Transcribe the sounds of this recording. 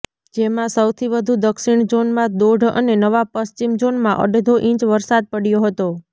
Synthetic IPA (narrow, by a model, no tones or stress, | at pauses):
d͡ʒemãsəwt̪ʰiʋəd̪ʱud̪əkʃiɳd͡ʒonmãd̪oɖʱə̰nenəʋapəst͡ʃimd͡ʒonmãʔə̰ɖed̪ʱoʔĩt͡ʃʋəɾsad̪̚pəɽjoɦət̪o